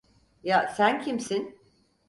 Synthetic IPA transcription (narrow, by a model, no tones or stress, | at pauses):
jasæncʰimsin